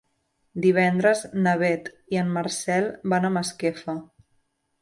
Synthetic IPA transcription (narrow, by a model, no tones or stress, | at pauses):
d̪iβ̞ɛnd̪ɾəznəβ̞ɛt̪ | iəmːəɾsɛlˠbanəməskefə